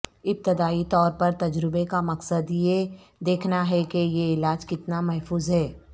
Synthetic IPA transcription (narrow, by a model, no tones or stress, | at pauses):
ɪb̚t̪ɪd̪aːit̪ɔːɾpɐɾt̪ɐd͡ʒɾɪbekamɐqsəd̪je | d̪eːkʰnaɦɛkejeɪlaːd͡ʒkɪt̪namɛɦfuːzɦɛː